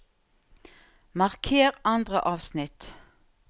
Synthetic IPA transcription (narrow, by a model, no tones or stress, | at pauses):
mɑʁkʰeːʁɑnd̪ʁəʔɑːʋsnɪt̪